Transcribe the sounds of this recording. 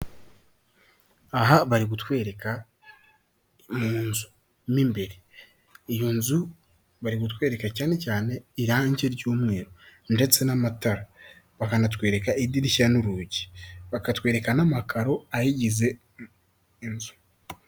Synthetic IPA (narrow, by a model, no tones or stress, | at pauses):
aɦaβaɾiɡutwe̞ːɾeka | muːnzu̥ | mimbeɾe | ejonzu | βaɾiɡutwe̞ːɾe̞kacaːne̞caːne̞iɾaaɲɟeɾɟoːmwe̞ːɾonde̞t͡se̞namataɾa | βakanatwe̞ːɾe̞kaidiɾiʃanuɾuɟi̥βakatwe̞ːɾe̞kanamakʰaɾo̞ajiɟize̞ː | nzu̥